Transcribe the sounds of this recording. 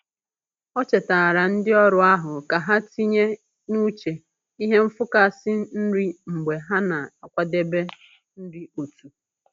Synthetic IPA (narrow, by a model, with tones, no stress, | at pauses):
ɔ˦t͡ʃe˨taː˨ɾa˨n̩˦dɪ˦ɔ˦ɾʊ˨a˦ɦʊ˨ka˨ɦa˦ti˦ɲe˦ | nu˦t͡ʃe˨ | i˦ɦe˦m̩˦fʊ˦ka˦˨sɪ˦n̩˦ɾi˦ŋ͡m̩˨ɡ͡be˨ɦa˦na˨a˨kʷa˦de˦be˦ | n̩˦di˦o˨tu˨